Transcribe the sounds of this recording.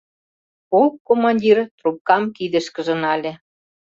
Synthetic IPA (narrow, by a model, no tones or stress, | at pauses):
olpkomɑnʲdʲirt̪rup̚kɑmkid̪ə̆ʃkə̆ʒɤ̆nɑlʲĕ